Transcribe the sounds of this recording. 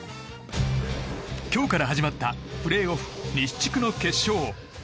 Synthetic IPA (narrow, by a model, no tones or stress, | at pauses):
kʲo̞ːkaɾaɦaʑimat̪ːaɸɯ̟ɾe̞ːoɸɯ̟̥ɲʲi̥t͡ɕi̥kɯ̟no̞ke̞ɕːo̞ː